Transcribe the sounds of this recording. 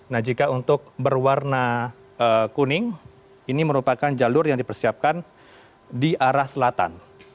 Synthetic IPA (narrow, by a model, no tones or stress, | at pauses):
nahd͡ʒikaunt̪ʊk̚bərwarna | əkunɪŋ | iniməɾupakand͡ʒalʊrjaŋdipərsiap̚kan | diʔaɾahsəlat̪a̰n